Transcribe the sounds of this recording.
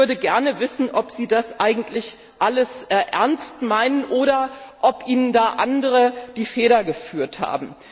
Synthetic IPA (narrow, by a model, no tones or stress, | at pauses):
ʏɐdəɡɛɐnəvɪsn̩ʔɔpz̥iːdasʔaɪɡŋ̩tʰlɪç | ʔaləsʔɛɐnstmaɪnənʔoːɾɐʔɔpʔiːnəndaːʔandəʁəd̥iːfeːɾɐɡəfyːɐtha̰ːbm̩